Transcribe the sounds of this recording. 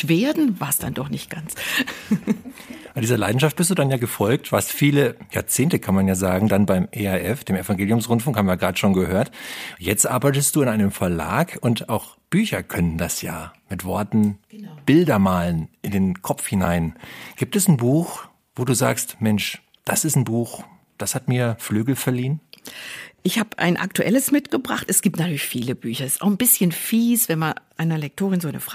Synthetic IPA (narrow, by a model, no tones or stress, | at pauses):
v̥eːɐdn̩vaːɐsd̥a̰ndɔχnɪçt̚ɡ̥ant͡s | ʔandiːzɐla̰ɪdn̩ʃaft̚b̥ɪstd̥uːdanjaːɡəfɔlk̚tv̥a̰ɐstfiːləjaːɐt͡seːntəkʰanmanjaːzaːɡŋ̩danbaɪmʔeaʔɛfd̥eːmɛfaŋɡeːljʊmsʁʊntfʊŋkhaːbmvjaɡʁaːdəʃoːnɡəhøːɐtjɛt͡stʔaɐbaɪtəstd̥uːɪnaɪnəmfɛɐla̰ːkʰʊntaʊx | b̥yːçɐkʰœnəndasja̰ːmɪtv̥ɔɐtn̩b̥ɪldɐmaːlənʔɪndeːnkʰɔpp͡fhɪna̰ɪnɡ̥iːp̚tɛsn̩buːx | v̥oːduːza̰ːkstmɛnʃ | d̥asɪstn̩buːx | d̥ashatmiːɐflyːɡl̩fɛɐliːn | ʔɪçhaːbʔa̰ɪnʔa̰k̚tuʔɛləsmɪtɡ̥əbʁa̰χtɛsɡ̥iːp̚tnatʰyɐlɪçfiːləbyːçɐɪsta̰ʊxn̩bɪsçənfiːsv̥ɛnmanʔaɪnɐlɛk̚tʰoːʁɪnzonəfʁ